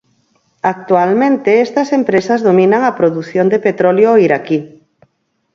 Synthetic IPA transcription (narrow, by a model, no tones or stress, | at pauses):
ak̚t̪ualmẽnt̪eest̪ɐsempɾesɐzðomĩnaŋɐpɾoðuθjond̪epet̪ɾɔljoiɾaki